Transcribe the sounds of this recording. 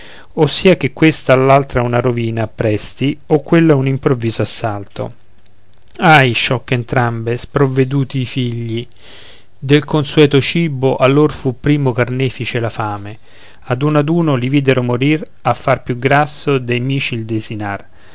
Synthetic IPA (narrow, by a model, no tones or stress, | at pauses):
osːiːak̟ekːwest̪aːlːalt̪ɾaunaɾoviːnaːpːɾɛst̪iokːwelːaunimpɾovːiːzoasːalt̪o̰ | ajʃɔkːent̪ɾambespɾovːed̪uːt̪iːfiʎːi | d̪elkonsuɛːt̪ot͡ʃiːboʔalːorfupːɾiːmokarnɛːfit͡ʃelafaːme | ad̪unad̪uːnoliviːd̪eɾomoɾir | afːarpjuɡɾasːod̪ejmiːt͡ʃild̪ezinar